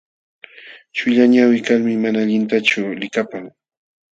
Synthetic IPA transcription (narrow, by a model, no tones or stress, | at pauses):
t͡ʃʊʎaɲawɪkalmɪmanaːʎɪnt̪at͡ʃʊlɪkapaŋ